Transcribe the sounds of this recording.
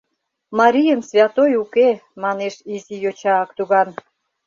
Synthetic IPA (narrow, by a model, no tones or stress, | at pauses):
mɑɾʲijənsvʲɑt̪ojukemɑneʃizijot͡ɕɑkt̪uɣɑn